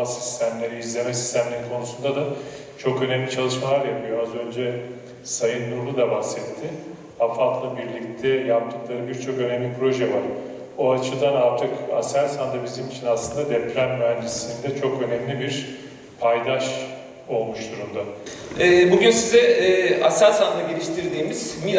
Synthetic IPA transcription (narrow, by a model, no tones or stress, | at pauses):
asi̥st̪ʰæmlʲe̞ɾiizlʲe̞mɛsi̥st̪ʰæmlʲeɾikʰo̞nusund̪ad̪a | t͡ʃʰo̞kø̞nɛmlʲit͡ʃʰalˠɯʃmalˠaɾjapʰɯjo̞azø̞nd͡ʒɛ | sajɯnːuɾlˠud̪abasɛt̪ʰːɪ | afat̪lˠabiɾlʲic̚t̪ʰɛjap̚t̪ʰɯklˠaɾɯbiɾt͡ʃʰo̞kø̞nɛmlʲipʰɾo̞ʒɛvaɾ | oat͡ʃʰɯd̪analt̪ʰɯka̰sælʲsand̪abizimit͡ʃʰinaslˠɯnd̪ad̪ɛpʰɾʲænyɾænd͡ʒisinnd̪ɛt͡ʃʰo̞kø̞nɛmlʲibiɾ | pʰajd̪aʃ | o̞lˠmuʃt̪ʰuɾumd̪aɛːbuɟynsizɛɛːasænʲsand̪aɟelʲiʃt̪ʰiɾd̪iːmiz̥mi